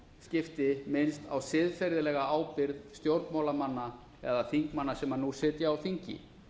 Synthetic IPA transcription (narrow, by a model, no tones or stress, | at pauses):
scɪft̪ɪmɪnst̪a̰wsɪːðfɛjɾðɪlɛɣaaːwpɪɾðst̪jowɾt̪mawlamanːa | ɛ̰ðaθiŋkmanːasɛmːanusɪːt̪ɪawθiɲcɪ̰